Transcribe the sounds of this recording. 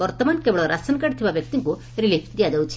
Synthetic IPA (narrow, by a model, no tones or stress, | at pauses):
bɔɾt̪ɔmankebɔɽɔɾasɔnkaɽt̪ʰibabjɔk̚t̪iŋku | ɾilipʰd̪iad̪ewt͡ʃʰi̥